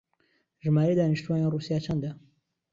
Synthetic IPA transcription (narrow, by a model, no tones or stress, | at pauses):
ʒmaːɾed̪aːniʃt̪uwaːneːnruːsijaːt͡ʃʰɐnd̪ɐ